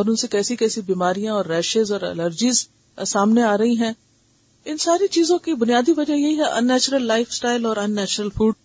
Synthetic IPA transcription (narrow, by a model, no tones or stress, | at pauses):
ɔːɾʊnsekɛːsikɛːsibiːmaːɾijãɔːɾːɛːʃezɔːɾɛ̰ləɾd͡ʒiz | saːmneaːɾɐɦiɦɛ̃ː | ɪnsaːɾit͡ʃiːzõkibʊnijaːd̪iʋɐd͡ʒajɐɦiɦɛʔɐ̰nːɛːt͡ʃɾəlːaːɪfsʈaːɪlɔːɾɐnːɛːt͡ʃɾəlfuːɖ